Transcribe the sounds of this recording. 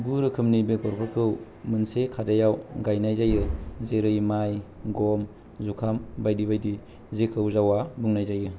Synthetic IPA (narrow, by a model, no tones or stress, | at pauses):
ɡuɾɯkʰɯmnibeɡɔɾpʰɯɾkʰɯw | mɯnsekʰadajawɡajnajzajɯzeɾɯjmajɡom | zukʰambajdibajdi | zekʰɯwzawabɯŋnajzajɯ